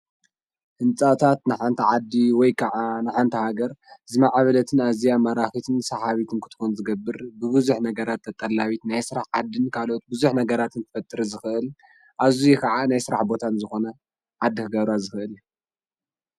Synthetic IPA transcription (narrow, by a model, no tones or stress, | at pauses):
hɨnt͡sʼat̪ʰat̪nɨħant̪ʰɐʕad̪ːiwɔjkʰɐʕanɨħant̪ʰɐhaɡɐɾzɨmaʕβɐlɐt̪ʰɨnazijamɐɾaxit̪ʰɨnsɐħaβit̪ʰɨnkʰɨ̥t̪ʰɨ̥xunzɨɡɐbːɨɾbɨβɨzuħnɐɡɐɾat̪ʰːɐt̪ʼːɐlːaβit̪najsɨɾaħʕad̪ːɨnkʰalʔot̪̚bɨzuħnɐɡɐɾat̪ʰɨnt̪ʰɐ̥fɐt̪ʼːɨɾɐzɨxɨʔɨl | ʔazujɛkʰɐʕanajsɨɾa̰ħbo̞t̪ʰanzɨxo̞nɐ | ʕad̪ːikʰɨɡɐβɾazɨxɨʔɨlju